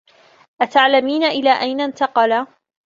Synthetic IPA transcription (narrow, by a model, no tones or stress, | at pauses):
ʔat̪aʕlamiːnaʔɪlaːʔajnant̪ɑqɑla